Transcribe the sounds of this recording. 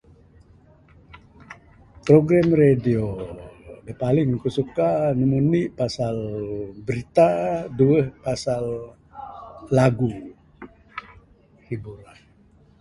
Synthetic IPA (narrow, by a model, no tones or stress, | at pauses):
pɾoɡɾamredio | dəpalɪŋkusukanimuniʔpasalbəɾit̪aduəhpasal | aɡu | hibuɾah